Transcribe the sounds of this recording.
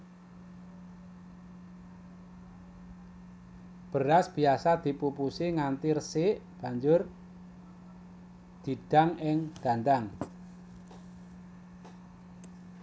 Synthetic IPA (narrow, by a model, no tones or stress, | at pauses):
b̥əɾasb̥i̤asad̪̥i̤pupusiŋant̪irsɪʔb̥a̤ɲd͡ʒʊr | d̪̥i̤d̪̥a̤ŋɪŋɡ̥a̤nd̪aŋ